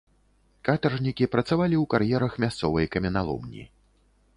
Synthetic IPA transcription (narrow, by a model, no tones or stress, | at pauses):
kat̪ɐrʐnʲikʲipɾɐt̪savalʲiwkaɾjɛɾɐxmʲast̪sɔvɐjkɐmʲɛnalˠɔ̰mnʲḭ